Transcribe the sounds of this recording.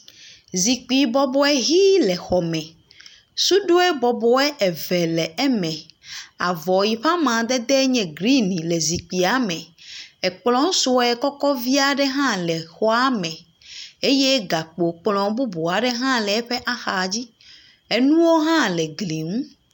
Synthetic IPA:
zi˨k͡pi˨bɔ˨bɔ˨ɛ˦ɦi˦lɛ˨xɔ˨mɛ̃˨ | su˦ɖo˦ɛ˦bɔ˨bɔ˨ɛ˦ʔɛ˨vɛ˨lɛ˨ʔɛ˦mɛ̃˨a˨vɔ˨ji˨ɸa˦mã˨d̪ɛ˦d̪ɛ˦ɲɛ̃˨ɡɾi˦nĩ˨le˨zi˨k͡pi˨a˨mɛ̃˨ɛ˨k͡plɔ̃˨˦ŋ˦so˦ɛ˨kɔ˦kɔ˦vi˦a˨ɖɛ˦ɦã˦lɛ˨xɔ˦a˦mɛ̃˨ | e˦je˦ɡa˨k͡po˨k͡plɔ̃˨bu˦bo˨a˨ɖɛ˦ɦã˦lɛ˨ɛ˦ɸɛ˦ʔa˦xa˨d͡ʑi˦ | e˦nũ˦wo˦ɦã˦lɛ˨ɡli˨ŋũ˦

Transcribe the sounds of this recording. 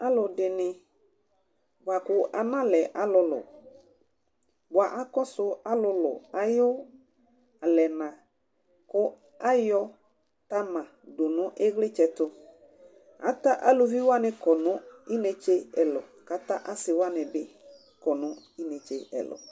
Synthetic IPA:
a˦lʊ˨dɪ˨nɪ˨ | bwa˨kʊ˨a˨nã˦lɛ˨ʔa˨lʊ˨lʊ̰˨ | ba˨ʔa˦kɔ˦sʊ˦a˦lʊ˧lʊ̰˨a˨jʊ˦ | a˨lɛ˨nã˨ | kʊ˦ | a˦jɔ˦ | ta˦mã˨dʊ˨nʊ̃˨˦ʔe˦ɣlɪ˦t͡ʃɛ˨tʊ˦ | a̰˨˦ta˦ʔa˦lʊ˨vi˦wa˦nɪ˦kɔ˨nʊ̃˨˦i˦ne˨˦t͡ʃe˦ɛ˨lʊ̰˨ka˨ta˦ʔa˦sɪ˨wa˦nɪ˨bɪ˦ | kɔ˨nʊ̃˦ | i˦ne˨t͡ʃe˦ɛ̰˨lʊ̰˨

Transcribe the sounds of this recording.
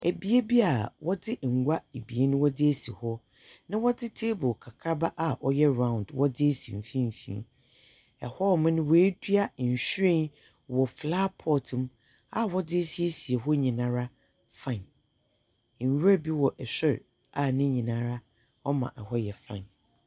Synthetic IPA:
e˨bi˨e˦bi˦a˨wɔ˦dɪ˦˨ŋ̩˨ɡʷa˦e˨bi˨e˦nʊ̃˦wɔ˦dɪ˦e˦sḭ˨hɔ˦ | nã˦wɔ˦dɪ˦tʰeː˦bʊ˨kʰa˨kʰa˦ba˦ʔa˨ʔɔ˦jɛ˦ɾã˦˨ʊ̃˨n˨dwɔ˦dɪ˦e˦sḭ˨m̩˨fĩ˦m̩˨fḭ̃˦˨˦ | ɛ˨hɔ˦mɪ̃˦nʊ̃˦wɔ˨e˦dɥa˦˨ɲ̩˨ɕᶣɾẽ˦˨n | wɔ˨flaː˦pʰɔ˦tʰɪ̃˨m | a˨wɔ˦dɪ˦e˦si˨e˦si˨e˨ɦɔ˦ɲĩ˨nã˦ɾa˦ | fã˦˨n˨ | ɥɾa˦bi˦wɔ˨ʔɛ˨ɕɪ˦ɾ | a˨nɪ̃˦ɲĩ˨nãː˦ɾa˦ | ɔ˦mã̰˨ʔɛ˨hɔ˦jɛ˨fã̰˦˨n

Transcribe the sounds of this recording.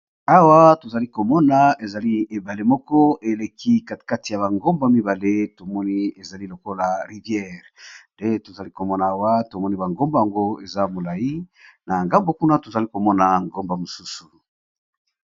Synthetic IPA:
a˦wa˦to˨za˨li˦ko˨mɔ˦na˨e˨za˨li˦e˨ba˨le˦mɔ˦kɔ˦e˨le˨kʰi˦ka˨ka˦ti˨ja˨βa˨ŋɡo˦mba˨mi˦ba˨le˦to˨mɔ˦ni˦e˨za˨li˦lo˨ko˦la˨ʁi˨vjɛ˦˨ʁnde˦to˨za˨li˦ko˨mɔ˦na˨a˦wa˦to˨mɔ˦ni˦ba˨ŋɡo˦mba˨ja˨ŋɡo˦e˨za˦mo˨la˨ji˦na˨ŋɡa˦mbo˨ku˦na˦to˨za˨li˦ko˨mɔ˦na˨ŋɡo˦mba˨mo˨su˦su̥˨

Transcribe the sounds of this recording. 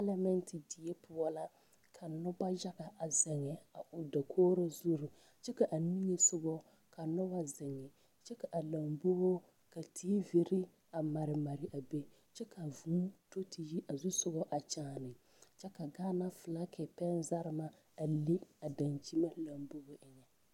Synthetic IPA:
ɛ˦lɛ˦mɛ˦ntʰɪ˨di˨ɛ˦pʊ˦ɔ˦la˦ | kʰa˨nʊ˦ba˦d͡ʒa˦ɣa˨ʔa˨zɪ˨ŋɛ˨a˨ʔʊ˨da˨kʰoː˦ɾa˦zu˦ɾu˨ | t͡ʃɛ˦ka˨ʔa˨ni˦ŋe˨sʊ˦ɡɔ˦ | ka˨nɔ˦wa˦zɪ˨ŋɛ˨ | t͡ʃɛ˦ka˨ʔa˨la˨mbo˦ɣo˦ | ka˨tʰi˦vi˨ɾɪ˦ | a˨ma˨ɾɪ˨ma˨ɾɪ˨ʔa˨be˦ | t͡ʃɛ˦ka˨vuː˦to˦ti˨ji˦ʔa˨zʊ˦sʊ˦ɣɔ˦ʔa˨t͡ʃaː˦˨nɪ˨ | t͡ʃɛ˦ka˨ɡaː˦na˦fɨ˨la˦kʰɛ˨pɛ˦nza˦ɾɪ˨ma˦ | a˨li˦a˨da˨nt͡ʃi˦ma˦la˨mbo˦bo˦ʔɪ˨ɲɛ˨

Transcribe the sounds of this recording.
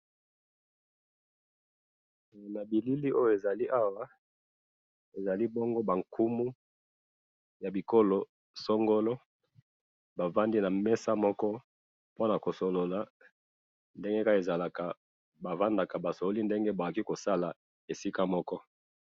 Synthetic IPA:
na˨bi˨li˦li˦ʔo˦jo˦˨e˨za˨li˦ʔa˦wa˦ | e˨za˨li˦bo˦ŋɡo˦ba˨ŋkʰu˦mu˦ | ja˨bi˨ko˦lo˨ | so˦ŋɡo˦lo˦ | ba˨va˦ndi˦na˨mɛ˦sa˦mɔ˦kɔ˦ | po˦na˨ko˨so˨lo˨la˨ | nde˦ŋɡe˦ka˦e˨za˨la˨ka˨ | ba˨va˦nda˨ka˨ba˨so˨lo˦li˦nde˦ŋɡe˦ba˨ki˦ko˨sa˦la˨ | e˨si˦ka˦mɔ˦kɔ˦

